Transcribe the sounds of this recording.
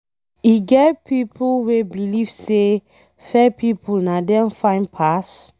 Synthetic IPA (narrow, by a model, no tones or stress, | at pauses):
iɡɛtpipulwebilivse | fɛpʰipulnadɛ̃nfãɪ̃npʰas